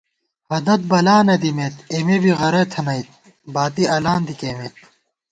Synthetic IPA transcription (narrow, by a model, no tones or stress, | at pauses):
hɐd̪ɐt̪̚bɐlaːnɐd̪imeːt̪emebiɣɐɾɐt̪ʰɐnɐit̪̚ | baːt̪iʔɐlaːnd̪ikeːmet̪